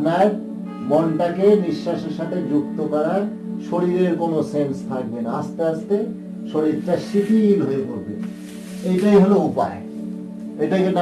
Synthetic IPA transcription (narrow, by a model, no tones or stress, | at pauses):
nae | mɔɳʈakeniʃːaʃeʃaʈ̪ʰed͡ʑuk̚t̪okɔɾa | ʃoɾiɾeɾkonosenst̪ʰak̚benaast̪east̪e | ʃoɾit̪ʈaʃifʰilɦoepoɾbḛn | ejʈajɦoloupa̰e | ejʈaken